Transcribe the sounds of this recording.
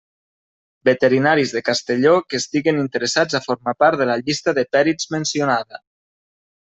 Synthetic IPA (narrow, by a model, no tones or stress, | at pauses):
bət̪əɾinaɾizðəkast̪əʎokəst̪iɣənint̪əɾəsad͡zafoɾmapaɾt̪ðələʎist̪əðəpɛɾizmənsionaðə